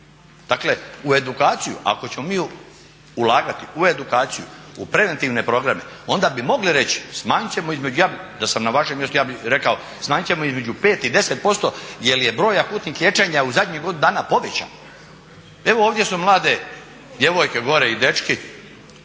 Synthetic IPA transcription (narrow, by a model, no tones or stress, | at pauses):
d̪̥akle̞ue̞d̪ukaːt̪sijṵʔa̰ko̞t͡ɕe̞mo̞miː | ulˠaːɡat̪iue̞d̪ukaːt̪sijṵupɾe̞ʋe̞nt̪iʋne̞pɾo̞ɡɾame̞ | o̞nd̪abimo̞ɡliɾe̞t͡ɕi̥smaːɲit͡ɕe̞moizme̞d͡ʑujaːbd̪asamnaʋaʃemje̞st̪ujaːbiɾe̞kao̞ | smaːɲit͡ɕe̞moizme̞d͡ʒupe̞ːt̪id̪e̞set̪̚po̞st̪o̞je̞lijebɾoːjakuːt̪niːxlʲje̞t͡ʃeɲauzad̪ɲeɡo̞d̪ind̪aːnapo̞ʋet͡ɕa̰n | e̞ʋooːʋd̪jesumlˠaːd̪e̞ | d̪je̞ʋo̞jke̞ɡo̞ɾeid̪e̞t͡ʃki